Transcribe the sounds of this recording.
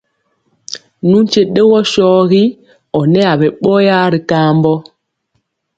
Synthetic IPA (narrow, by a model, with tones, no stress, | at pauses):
nu˦n˦t͡ʃe˦ɗe˦wɔ˦ʃɔː˦ɣi˦ | ɔ˨nɛ˦a˨bɛ˨ɓɔ˦ja˦ɾi˨kaː˦mbɔ˦